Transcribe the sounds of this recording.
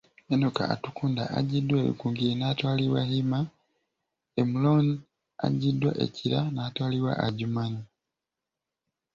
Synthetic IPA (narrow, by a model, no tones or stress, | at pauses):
enoka̰atukuːnda̰a̰ɟidwaeβḭkuːŋɡienaːtwaːliwa̰ɦima | emuloni | a̰ɟidwa̰ʔe̞̰ciɾanaːtwaːliwa̰ʔaɟumani